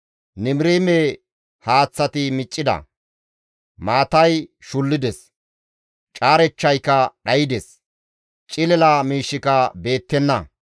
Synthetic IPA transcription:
nɪmɾiːme | haːt͡sːɐt̪ɪmɪt͡ʃʼːɪd̪ɐ̰ | maːt̪ɐjʃʊlːɪd̪ɛs | t͡ʃʼaːɾɛt͡ʃːɐjkɐɗɐjɪd̪ɛs | t͡ʃʼɪlɛlaːmiːʃːɪkɐbe̞ːt̪ːɛnːɐ

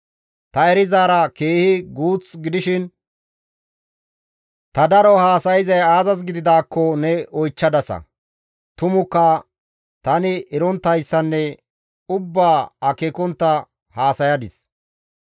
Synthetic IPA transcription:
t̪ɐɛɾɪzaːɾɐkeːhɪɡuːt͡sɡɪd̪ɪʃɪn | t̪ɐd̪ɐɾɔhaːsɐjɪzɐjaːzɐs̬ɡɪd̪ɪd̪aːkːɔnɛɔjt͡ʃːɐd̪ɐsɐ̰ | t̪ʊmʊkːɐ | t̪ɐnɪɪɾɔnt̪ːɐjsːɐnːɛ | ʊbːaːɐkekɔnt̪ːɐ | haːsɐjɐd̪ɪs

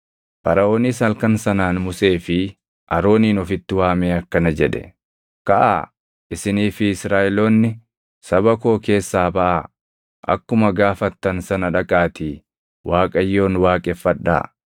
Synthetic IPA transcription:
fɐɾɐʔo̞ːniːsɐlkɐnsɐnaːnmʊse̞ːfɪ | ʔɐɾo̞ːniːnɔfɪt̪ːɪwaːmeːɐkːɐnɐd͡ʒɛᶑɛ̥̰ | kɐʔa̰ː | ʔɪsɪniːfɪːsɾaːʔɪloːnːɪ | sɐbɐko̞ːke̞ːsːaːbɐʔa | ʔɐ̰kːʊmɐɡaːfɐt̪ːɐnsɐnɐᶑɐkʼaːt̪iː | wʔaːkʼɐjːo̞ːnwaːkʼɛfːɐᶑːa̰ː

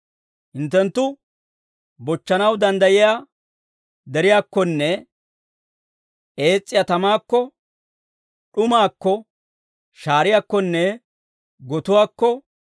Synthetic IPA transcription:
hɪnt̪ːɛnt̪ːʊ | bɔt͡ʃːɐnɐwd̪ɐnd̪ɐjɪjaː | d̪ɛɾɪjaːkːɔnːɛ | ʔe̞ːt͡sʼːɪjat̪ɐmaːkːɔ | ɗʊmaːkːɔ | ʃaːɾɪjakːɔnːɛ | ɡɔt̪ʊwaːkːɔ

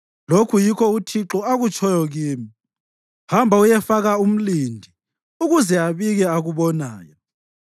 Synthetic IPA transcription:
lokʰujikʰɔutʰiǁɔaɣut͡ʃʰʼɔjɔɣiːmi | hambʱaujɛfaɣaum̩lindʱi | uɣuzɛaβiɣɛaɣuβɔna̰ːjɔ

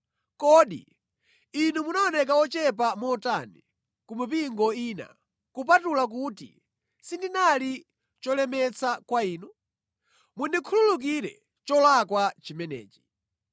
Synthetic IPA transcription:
kɔːɗḭ | inumunaɔnɛk̬aɔt͡ʃɛp̬amɔtani | kumip̬iŋɡɔina̰ | kupatulak̬uːtḭ | sindinali | t͡ʃɔlɛmɛt͡sʰakwaiːnu | mundikʰululuk̬iɾɛ̰ | t͡ʃɔlakwat͡ʃimɛnɛ̰ːt͡ʃi̥

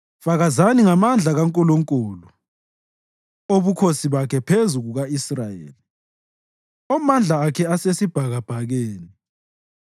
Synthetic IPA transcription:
faɣazaniŋamand͡ɮʱaɣaŋkʼɔlɔŋkʼoːlu | oβukʰosiβakʰɛpʰezuɣuɣaisrajḛːli | ɔmand͡ɮʱaːkʰɛasesib̥ʱaɣab̥ʱaɣeːni

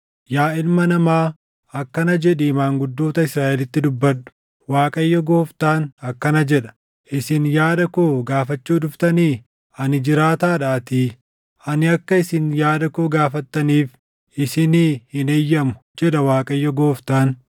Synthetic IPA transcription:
jaːɪlmɐnɐmaː | ɐkːɐnɐd͡ʒɛᶑiːmaːŋɡʊd̪ːoːt̪ɐɪsɾaːʔɛlɪt̪ːɪd̪ʊbːɐᶑʊ̥ | waːkʼɐjːɔɡo̞ːft̪aːnɐkːɐnɐd͡ʒɛᶑɐ̥ | ʔɪsɪnjaːd̪ɐkoːɡaːfɐt͡ʃːuːd̪ʊft̪ɐniː | ɐnɪd͡ʒɪɾaːt̪aːᶑaːt̪i | ɐnɪɐkːɐɪsɪnjaːd̪ɐkoːɡaːfɐt̪ːɐniːf | ɪsɪniːhɪnejːɐmʊ̥d͡ʒɛᶑɐwaːkʼɐjːɔɡo̞ːft̪aːn

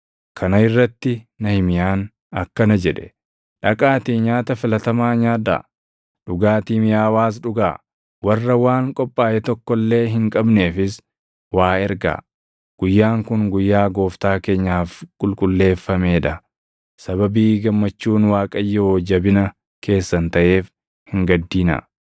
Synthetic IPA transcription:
kʰɐnɐɪrːɐt̪ːɪnɐhɪmɪjaːn | ɐkːɐnɐd͡ʒɛᶑɛ̥ | ᶑɐkʼaːt̪iːɲaːt̪ɐfɪlɐt̪ɐmaːɲaːd̪a̰ː | ᶑʊɡaːt̪iːmɪjaːwaːs̬ᶑʊɡa̰ː | wɐrːɐwaːŋkʼɔpʼːaːjʔɛt̪ɔkːɔlːe̞ːɦɪŋkʼɐbne̞ːfɪs | waːɛɾɡa̰ː | ɡ̥ʊjːaːŋkʊŋɡʊjːaːɡo̞ːft̪aːke̞ːɲːaːfkʼʊlkʼʊlːe̞ːfːɐme̞ːᶑɐ | sɐβɐbiːɡɐmːɐt͡ʃːuːnwaːkʼɐjːɛoːd͡ʒɐbɪnɐ | kʰe̞ːsːɐnt̪ɐʔe̞ːf | hɪŋɡɐd̪ːiːnɐ̰

